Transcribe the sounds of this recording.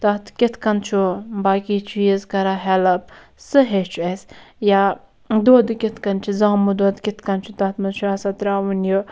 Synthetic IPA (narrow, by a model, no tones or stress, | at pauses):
t̪ɐt̪ʰkʲit̪ʰkɐnt͡ʃʰubaːkit͡ʃʰujezkɐɾaɦɛlɐp̚ | sɨɦet͡ʃʰuesja | d̪oːd̪ɨkʲit̪ʰkɐnt͡ʃʰizãːmud̪oːd̪kʲit̪ʰkɐnt͡ʃʰut̪ɐt̪ʰmɐnt͡ʃʰuɐsat̪ɾaːunjo